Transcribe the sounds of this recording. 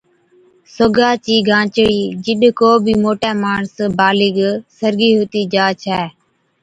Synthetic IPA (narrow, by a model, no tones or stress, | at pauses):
soɡaːt͡ʃiːɡʱãːt͡ʃɽiːd͡ʒɪɗkoːbʱiːmoːʈɛːmaːɳsbaːlɪːɡsəɾɡiːɦʊt̪iːd͡ʒaːt͡ʃʰɛː